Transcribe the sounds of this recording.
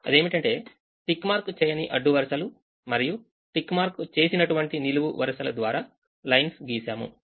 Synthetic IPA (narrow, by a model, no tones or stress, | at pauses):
ɐ̰d̪e̞ːmiʈɐɳʈe̞ː | ʈikːmaːɾkut͡ʃɛːjɐniʔɐɖːuʋɐɾɐsɐlu | mɐɾiju | ʈikːmaːɾkut͡ʃe̞ːsinɐʈuʋɐɳʈiniluʋuʋɐɾɐʃɐlɐd̪ʋaːɾaː | lɐjnsɡiːsaːmṵ